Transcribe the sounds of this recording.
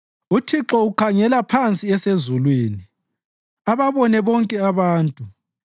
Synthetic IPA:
utʰiǁɔukʰaŋɛlapʰant͡sʼiɛsezulweːni | aβaβɔnɛβɔŋkʼɛaβaːntʼu

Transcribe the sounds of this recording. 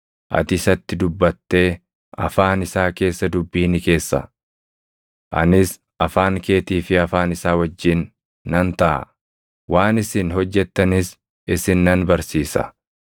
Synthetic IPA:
ʔɐ̰t̪ɪsɐt̪ːɪd̪ʊbːɐt̪ːe̞ː | ɐ̰faːnɪsaːke̞ːsːɐd̪ʊbːiːnɪke̞ːsːɐ̰ | ʔɐ̰nɪs | ɐfaːŋke̞ːt̪iːfɪɐfaːnɪsaːwɐd͡ʒːɪnː | ɐnt̪ɐʔɐ̰ | waːnɪsɪnhɔd͡ʒːɛt̪ːɐnɪs | ɪsɪnːɐnbɐɾsiːsɐ̰

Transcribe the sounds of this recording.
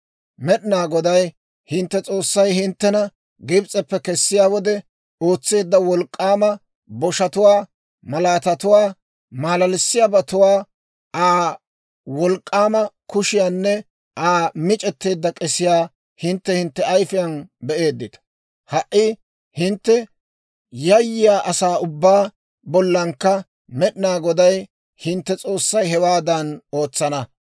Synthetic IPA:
mɛɗɪnaːɡɔd̪ɐj | hɪnt̪ːɛt͡sʼo̞ːsːɐjhɪnt̪ːɛnɐ | ɡɪbt͡sʼɛpːɛkɛsːɪjaːwɔd̪ɛ | oːt͡sːe̞ːd̪ːɐwɔlkʼːaːmɐ | bɔʃɐt̪ʊwaː | mɐlaːt̪ɐt̪ʊwaː | maːlɐlɪsːɪjaːbɐt̪ʊwaː | ʔaː | wɔlkʼːaːmɐkʊʃɪjaːnːɛ | aːmɪt͡ʃʼɛt̪ːe̞ːd̪ːɐkʼɛsɪjaː | hɪnt̪ːɛhɪnt̪ːɛɐjfɪjɐnbɛʔe̞ːd̪ːɪt̪ɐ̥ | hɐʔːɪ | hɪnt̪ːɛ | jɐjːɪjaːʔɐsaːʊbːaː | bɔlːɐŋkːɐ | mɛɗɪnaːɡɔd̪ɐj | hɪnt̪ːɛt͡sʼo̞ːsːɐjɦɛwaːd̪ɐno̞ːt͡sːɐnɐ

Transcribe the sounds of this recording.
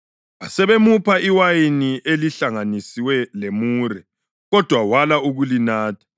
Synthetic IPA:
asɛβemupʰaʔiwajiniʔeliɬaŋanisiwɛlemuːrɛ | ɣɔd̥ʱwawalauɣulinaːtʰḁ

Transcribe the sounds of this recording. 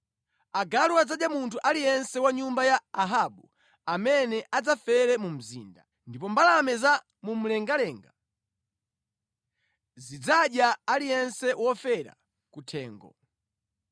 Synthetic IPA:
aɡaluad͡zaɗjamuntʰuʔalijɛnsɛwaɲumbajaaɦaɓu | amɛnɛʔad͡zafɛɾɛmum̩zḭːnda | ndip̬ɔmbalamɛza | mum̩lɛŋɡalɛːŋɡa | zid͡zaɗjaalijɛnsɛwɔfɛɾa̰ | kutʰɛːŋɡɔ̰

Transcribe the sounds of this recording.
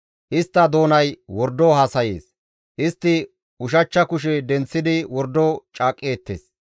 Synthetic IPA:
ʔɪst̪ːɐd̪o̞ːnɐjwɔɾd̪ohaːsɐjḛːs | ʔɪst̪ːɪ | ʊʃ̬ɐt͡ʃːɐkʊʃ̬ɛd̪ɛnt͡sːɪd̪ɪwɔɾd̪ːot͡ʃʼaːkʼːe̞ːt̪ːḛːs

